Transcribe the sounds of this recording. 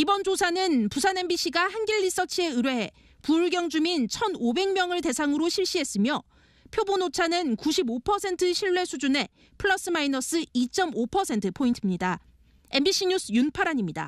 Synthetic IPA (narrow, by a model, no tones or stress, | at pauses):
ibʌnd͡ʑosʰanɯnpusʰane̞mbiɕ͈iɡahanɡiʎːis͈ʌt͡ɕʰie̞ɯɾweɦe | puɭɡjʌŋd͡ʑumint͡ɕʰʌnobe̞ŋmjʌŋɯɭte̞sʰaŋɯɾoɕʰiɭɕ͈iɦe̞s͈ɯmjʌ | pʰjobonot͡ɕʰanɯnkuɕʰibopʰʌsʰe̞ntʰɯɕʰiɭːe̞sʰud͡ʑune̞ | pʰɯɭʌs͈ɯmainʌs͈ɯit͡ɕ͈ʌmopʰʌsʰe̞ntʰɯpʰointʰɯmɲida | e̞mbiɕ͈iɲusʰjunpʰaɾaɲimɲida̰